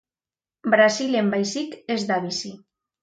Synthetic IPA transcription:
bɾasilembajsikezd̪aβisi

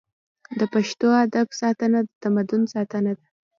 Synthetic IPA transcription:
d̪əpaʃt̪oad̪absɑt̪ənad̪ət̪amad̪ʊnsɑt̪ənad̪a

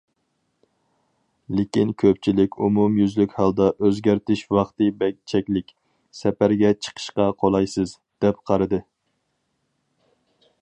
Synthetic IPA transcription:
lɪkʲinkʲʰøp̚t͡ʃʰilɪkʲumumjyzlykʲhɑlˠd̪ɑʔøzɡʲæɾt̪ɪʃwɑχt̪ɨbɛk̚ʲt͡ʃʰɛkʲlɪkʲ | sɛpæɾɡʲɛt͡ʃʰə̥qʰə̥ʃqɑqʰolˠɑjsɨz | d̪̥ɛp̚qʰɑɾɨd̪ɨ

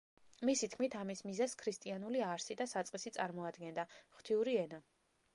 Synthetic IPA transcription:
misit̪ʰkʰmit̪ʰamismizaskʰɾist̪ʼianuliaɾsid̪asat̪sʼqʼisit̪sʼaɾmɔad̪ɡɛnd̪aχt̪ʰiuɾiɛna

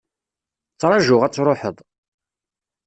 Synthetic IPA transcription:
t͡sːɾˤɑʒʊʁæt͡sːɾˤoħəðˤ

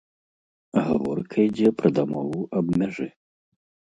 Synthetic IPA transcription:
ɣa̰vɔrkʰɐid͡zʲɛpɾɐd̪amɔvuʔɐbmʲaʐɨ

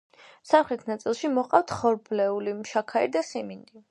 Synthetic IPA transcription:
samχɾɛt̪ʰnat̪sʼilˠʃimɔqʼaft̪ʰχɔɾblɛulimʃakʰaḭɾd̪asimind̪i

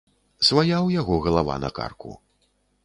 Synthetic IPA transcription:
svajawjaɣɔɣɐlˠava̰nɐ̰ka̰rkṵ

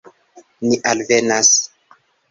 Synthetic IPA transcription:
niʔalvenas

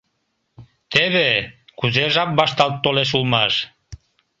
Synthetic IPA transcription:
t̪eβekuzeʒɑp̚bɑʃt̪ɑlt̪ːoleʃ̬ulmɑʃ

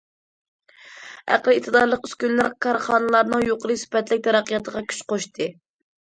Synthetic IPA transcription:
æ̰qlɨit̪ʰɨd̪ɑɾlˠəqy̥skʲynlæɾkʰɑɾχɑːnɨlˠɑɾnɨŋjoqʰəɾɨsɪ̥pɛt̪lɪk̚ʲt̪ʰɛɾɛqijɑt̪ʰəʁɑkʲʰy̥t͡ʃqoʃt̪ʰɨ

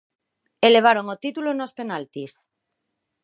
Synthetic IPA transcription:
ele̞β̞aɾoŋot̪it̪ulonospe̞nalt̪is

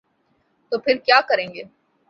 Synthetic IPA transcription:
t̪oːpʰɪɾkjaːkɐɾẽːŋɡeː

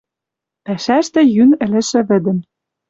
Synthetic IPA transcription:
pæʃæʃt̪ɘ̆jynɘ̆lɘ̆ʃɘ̆βɘ̆d̪ɘ̆m

